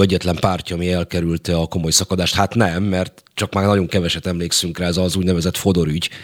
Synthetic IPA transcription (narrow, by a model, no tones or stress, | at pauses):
ɛɟːɛt̪lɛmpaːrcɒːmiɛlkɛɾylt̪ɛɒko̞mo̞jsɒkɒd̪aːʃt̪hat̪nɛmːɛrt̪ | t͡ʃɒkmaːrnɒɟo̞ŋkɛvɛʃɛt̪ɛmleːksyŋkraːɛzɒzuːɟnɛvɛzɛt̪fo̞d̪o̞ɾyɟ